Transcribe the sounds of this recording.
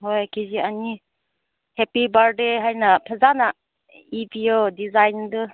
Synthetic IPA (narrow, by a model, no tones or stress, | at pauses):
ɦojkid͡ʒiani | hepibaɾdeɦajnapʰəzana | ibijodizajndɯ